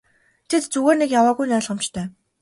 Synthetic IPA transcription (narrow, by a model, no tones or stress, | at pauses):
t̪ʰet̪t͡suɣeːrnekjawaːɣujnæːɮʁə̆m̥t͡ɕt̪ʰœː